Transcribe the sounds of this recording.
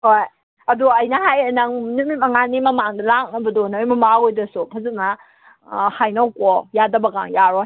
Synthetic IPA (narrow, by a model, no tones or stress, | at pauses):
hoj | ɐduɐjnɐɦajnɐŋnumimɐŋanimɐmaŋdɐlak̚nɐbɐdɔnɐjmɐmaɡojdɐsupʰɐzɯnɐ | hajnawkɔjadɐbɐɡa̰ŋjaɾɔ